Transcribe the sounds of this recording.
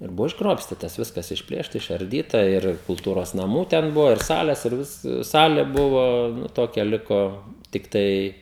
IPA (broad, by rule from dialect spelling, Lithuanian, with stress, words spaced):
ɪr ˈbʊʋoː ɪʒˈɡroːpʲsʲtʲiːtɐs ˈʋʲɪskɐs ɪʃʲˈpʲlʲeːʃtɐ ɪʃɐrʲˈdʲiːtɐ ˈɪr kʊlˠˈtuːroːs nɐˈmuː tʲɛn ˈbʊʋoː ɪr ˈsɑːlʲɛs ɪr ˈʋʲɪs ˈsɑːlʲɛ ˈbʊʋoː ˈnʊ ˈtoːkʲɛ ˈlʲɪkoː tʲɪkˈtɐɪ